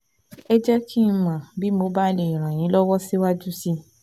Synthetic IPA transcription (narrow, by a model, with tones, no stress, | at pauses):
ɛ˦d͡ʒɛ˦kʰi˦˧mã˨bi˦mo˧˦ba˦le˨i˨ɾ̃ã˨j̃ĩ˨˦lɔ˦wɔ˦si˦wa˦d͡ʒu˦si˦